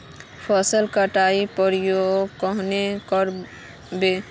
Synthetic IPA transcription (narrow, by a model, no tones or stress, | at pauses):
pʰɔsəlkəʈaipəɾijoɡkɔɦnekɔɾ | be